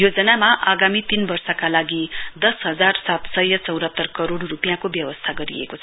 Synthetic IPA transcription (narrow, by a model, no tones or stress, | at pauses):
jod͡zʌnamaʔaɡamit̪inbʌrsʌkalaɡid̪ʌsɦʌd͡zarsat̪sʌjʌt͡sʌwɾɦʌt̪ːʌrkʌɾoɽːupijãkobjʌwʌst̪ʰaɡʌɾḭḛkot͡sʰʌ